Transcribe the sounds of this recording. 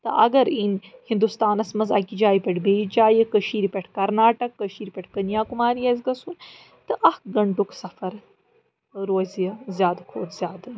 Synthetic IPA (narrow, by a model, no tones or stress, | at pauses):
t̪ɐ̰ʔɐɡɐɾinhĩnd̪ust̪aːnɐsmɐzɐ̰kid͡ʒaːjipʲeʈʰbeːd͡ʒaːjikəʃiːɾpʲeʈʰkɐɾnaːʈɐkːəʃiːɾpʲeʈʰkɐnjaːkumaːɾijɐz̬ɡɐsuːn | t̪ɐʔɐɡɐɳʈuksɐfɐɾ | ɾoːzijɐzʲjaːd̪ɐkʰoːt̪zʲjaːd̪ɐ